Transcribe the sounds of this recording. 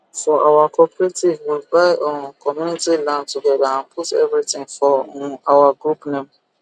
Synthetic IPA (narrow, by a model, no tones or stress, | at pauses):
fɔʔawakʰɔpɾetivwilbaɪʔɔ̃kʰɔmjunitilãntuɡɛdaãnpʰutɛ̰vɾitɪ̃ŋfɔ̃awaɡɾupnɛ̃m